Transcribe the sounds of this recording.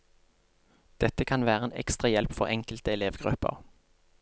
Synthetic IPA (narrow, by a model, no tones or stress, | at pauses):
d̪̥ɛt̪əkʰɑnʋæːʁəeːnʔɛ̰kst̪ʁɑjɛlpfɔʁɛŋkəlt̪əɛleːʋɡʁʉ̰pə̰ʁ